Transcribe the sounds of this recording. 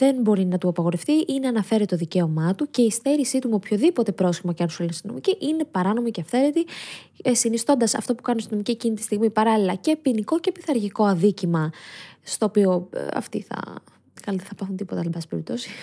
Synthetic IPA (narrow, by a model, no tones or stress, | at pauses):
ðe̞nbo̞ɾinɐt̪uɐpɐɣo̞ɾefθiʔineɐnɐfe̞ɾet̪oðice̞o̞mɐt̪uce̞ist̪eɾisit̪umeopço̞ðipo̞t̪e̞pɾo̞sçimɐceɐnosolnost̪ino̞̰miciʔine̞pɐɾɐno̞miceɐfθe̞ɾet̪i | sinist̪o̞nd̪ɐsɐ̰ft̪o̞pukɐnust̪ino̞micicinit̪ist̪iɣmipɐɾɐlilɐce̞piniko̞ce̞piθɐɾʝiko̞ɐðicimɐst̪o̞ːpio̞ɐ̰ft̪iθɐ̰ | kɐlðeθɐpɐθunt̪ipo̞t̪ɐlmbɐse̥peɾip̚t̪o̞si̥